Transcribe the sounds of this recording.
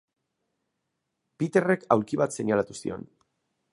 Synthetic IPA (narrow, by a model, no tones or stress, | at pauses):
pit̪e̞re̞kawɾkiβat̪se̞ɲalat̪usḭo̞̰n